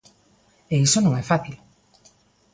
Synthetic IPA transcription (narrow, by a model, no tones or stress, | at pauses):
eisonõŋɛfaθil